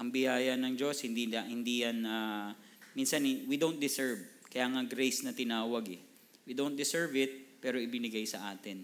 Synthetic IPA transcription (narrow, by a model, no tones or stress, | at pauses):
ʔɐŋbɪjaːjɐnɐŋd͡ʒo̞shɪnd̪iahɪnd̪ijɐnaː | minsɐnɪwid̪ownt̪̚d̪ɪsɛɹv | kɐjaːŋɐɡɾɛjsnɐt̪ɪnaːwɐɡɛ̰ | wid̪ownt̪̚d̪ɪsɛɹvɪt̪̚pɛːɾo̞ʔɪbɪnɪɡajsɐʔaːt̪ɪn